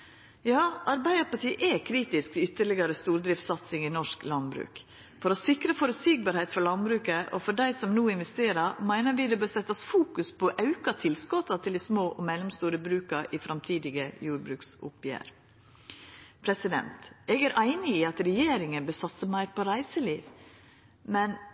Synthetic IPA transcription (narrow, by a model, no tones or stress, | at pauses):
jɑːɑɾbæɪd̪əɾpɑʈʰiːʔɛkʰɾiːt̪ɪskʋ̪ɪʏt̪ːəɭɪɡɑɾəst̪uːɾd̪ɾɪft̪sɑt̪sɪŋɪnɔʂklɑnbɾʉ̰ːk | fɔɾɔsɪkɾəfɔɾʉsiɡ̚bɑːɾhɛɪt̪fɔlɑnbɾʉːkəʔɔ̰fɔɖæɪsɔmnuːɪnʋɛst̪eːɾɑɾmæɪnəɾʋɪd̪ɛbøːɾsɛt̪ːɑsfuːkʉspʰɔʔɑʉkɑt̪ʰɪlskɔt̪ɑt̪ʰɪld̪ɪsmoːʔɔmɛlːɔmst̪uːɾəbɾʉːkɑɾʔɪfɾʔɑmt̪ʰiːd̪ɪɡəjuːɾbɾʉːksʊ̰pjæ̰ːɾ | pʰɾɛsɪd̪ɛ̰nt̪ɛɡæɾʔæɪnɪiɑt̪ɾɛjeːɾɪŋənbøːsɑt̪səmæɪɾpɔɾæɪsəliːʋ | mɛn